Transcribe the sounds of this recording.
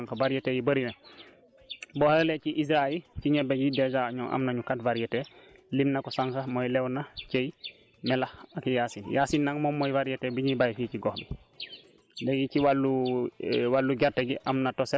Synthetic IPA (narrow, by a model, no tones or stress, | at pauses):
ŋkavaɾjɛtejibəɾina | bɔhɾlet͡ʃiʔis̬ɾaiciɲɛbaɡidɛd͡ʒaɲɔŋʔa̰mnaɲukatvaɾjɛtɛlimnakɔsaŋkamojlɛwnat͡ʃej | mɛlaakijaːsinjaːsinːaŋmɔmːɔjvaɾjɛtebiɲibajfit͡ʃiɡɔhbi | leɡikiwalːu | walːuɡaɾtːeɡiʔamnatɔsɛ